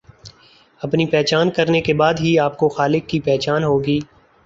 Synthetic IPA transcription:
ɐpnipɛːt͡ʃaːnkɐɾnekebaːd̪ɦiaːp̚koxaːlɪkːipɛːɦt͡ʃaːnɦoːɡiː

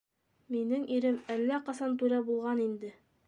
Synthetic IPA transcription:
minɘŋʔiɾɘmælːæqɑsɑnt̪ʉɾæbulˠʁɑnind̪ɘ

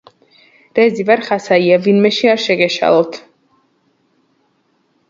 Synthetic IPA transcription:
ɾɛzivaɾχasaiavinmɛʃiaɾʃɛɡɛʃa̰lˠɔt̪ʰ

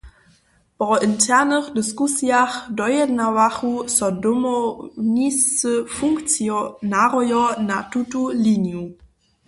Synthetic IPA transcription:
pʁɔʔɪntʰɛɐnəχdɪskusjaχdɔjɛdnavaχusɔdʊmɔnisəfuŋkt͡sjnaʁɔjɔnatʰutulinju

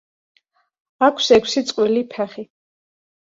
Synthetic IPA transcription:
akʰsɛkʷʰsit̪sʼqʼwilipʰɛχi

